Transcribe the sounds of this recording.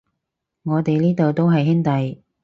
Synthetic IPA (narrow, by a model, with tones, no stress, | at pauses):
ŋɔː˨˧t̪e˨jliː˥t̪o˨wt̪o˥wɦɐ˨jɦɪ˥ŋt̪ɐ˨j